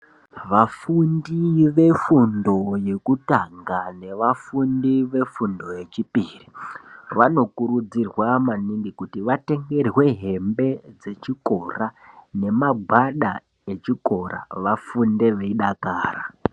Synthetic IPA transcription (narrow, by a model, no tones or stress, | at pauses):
ʋafundiʋe̞fundo̞je̞kutaŋɡane̞ʋafundiʋe̞fundo̞jet͡ʃipiːriʋano̞kuɾud͡zirwamanindikutiʋate̞ŋɡe̞rwe̞ɦe̞mbe̞d͡ze̞t͡ʃiko̞rane̞maɡʱwaɗa | e̞t͡ʃiko̞ɾa̰ʋafunde̞ʋeiɗakaːra